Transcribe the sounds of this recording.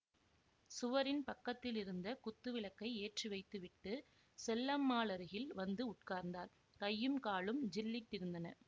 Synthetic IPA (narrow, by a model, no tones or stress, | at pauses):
sʊʋɐɾɪnpɐkːɐt̪ːɪlɪɾɯnd̪ɐkʊt̪ːɯʋɪɭɐkːɐɪeːʈriʋɐɪt̪ːɯʋɪʈːɯ | sɛlːɐmːaːɭɐɾɯɣɪlʋɐnd̪ɯʊʈ̚kaːɾnd̪aːɾ | kɐjːɯmkaːɭɯmd͡ʒɪlːɪʈːɪɾɯnd̪ɐnɐ̰